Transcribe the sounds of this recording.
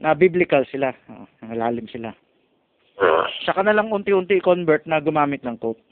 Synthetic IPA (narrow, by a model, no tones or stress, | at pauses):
nɐbiblɪkɐlsɪlao̰ʔonɐŋɐlaːlɪmsɪla | ot͡ʃɐkanɐlaŋʊnt̪ɪʔʊnt̪ɪɪkonbɛɹt̪̚nɐɡʊmaːmɪt̪̚nɐŋkowt̪̚